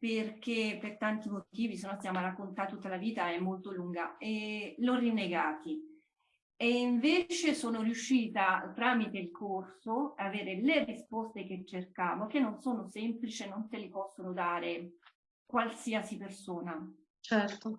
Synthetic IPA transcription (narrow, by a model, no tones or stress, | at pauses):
perkepːert̪ant̪imot̪iːvisenːɔst̪jaːmoarakːont̪at̪ːut̪ːalaviːt̪aɛmːolt̪oluŋɡaɛlorːinːeɡaːt̪i | eiɱveːt͡ʃesoːnorjuʃːiːt̪at̪ɾaːmit̪eilkʰorsoaːveːɾelerispɔst̪ek̟et͡ʃːerkaːmokenːonsoːnosɛmplit͡ʃenːont̪elepɔsːonod̪aːɾe | kwalsiːasipersoːna | t͡ʃɛrt̪o